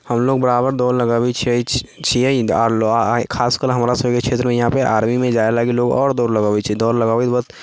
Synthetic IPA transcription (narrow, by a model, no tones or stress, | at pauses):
həmloːɡ̚bəɾaːbəɾd̪ɔːɾləɡaːet͡ʃʰ | t͡ʃʰiɛiaɾkʰaːskəɾɦəmɾasəkekʃʰeːt̪ɾəmẽjɐɦãpəʔaːɾmimẽd͡ʒaːelaːɡiloːɡɔ̰ːɾd̪ɔːɾləɡaːet͡ʃʰid̪ɔːɾləɡaːet̪bət̪